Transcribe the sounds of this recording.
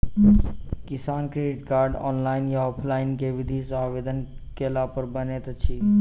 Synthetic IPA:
kisaːnkɾeɖiʈkaːɾɖɔ̰ːnlainjaɔpʰlaːinkeʋid̪ʱisaʋed̪ənkelapəɾbənet̪t͡ʃʰi

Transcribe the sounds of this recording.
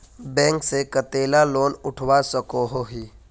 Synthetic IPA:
bɛ̃ːŋksekət̪eːlaloːnʊʈʰwasəkoɦoɦiː

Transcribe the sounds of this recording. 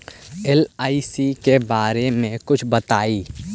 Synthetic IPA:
ɛlaːisikebaːɾemẽkʊt͡ʃʰbət̪aːiː

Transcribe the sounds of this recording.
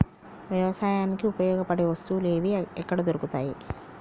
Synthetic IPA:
ʋjɐʋɐsaːjaːnikiupɐjɔːɡɐpɐɽeʋɐst̪uːle̞ːʋiɛkːɐɽɐd̪oɾukut̪a̰ːji

